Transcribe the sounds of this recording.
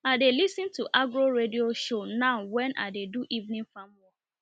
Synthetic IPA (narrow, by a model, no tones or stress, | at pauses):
adelisɪ̃ntuʔaɡɾoɾedioʃonaʊwɛnʔa̰deduʔivnĩnfam̩wɔ